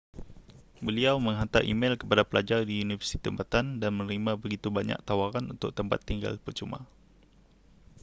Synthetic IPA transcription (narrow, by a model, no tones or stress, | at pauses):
bəliawməŋɦant̪a̰ʔḭmelkəpadapəlad͡ʒardiunifərsi̥t̪i̥t̪əmpat̪andanmənɾimabəɡit̪ubaɲa̰k̚t̪awaɾanṵnt̪ʊk̚t̪əmpat̪ːiŋɡa̰lpərt͡ʃuma̰